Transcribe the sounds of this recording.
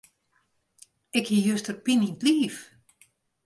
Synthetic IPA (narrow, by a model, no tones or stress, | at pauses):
ɪkhijøstərpinintliːf